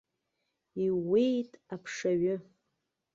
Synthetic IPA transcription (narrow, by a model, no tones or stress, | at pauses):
iwejtʼapʰʂaɥʊ